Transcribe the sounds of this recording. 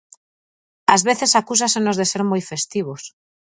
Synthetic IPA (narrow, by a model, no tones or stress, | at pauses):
azβeθesakus̬asenozðeseɾmojfest̪iβ̞os